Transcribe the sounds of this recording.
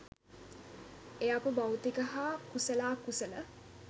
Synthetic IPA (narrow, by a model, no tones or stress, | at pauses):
eapəbawt̪ikəɦaːkusəlaːkusələ